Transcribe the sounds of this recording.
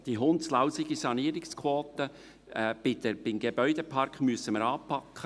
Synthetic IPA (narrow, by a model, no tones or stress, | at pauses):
d̥iɦʊntslaʊsɪɡisɑniːɾɪkskʰwoːt̪ə | b̥ɪd̪əb̥ɪmɡebœʏd̥epʰɑrkχmyəsəməɾɑːpʰɑkχə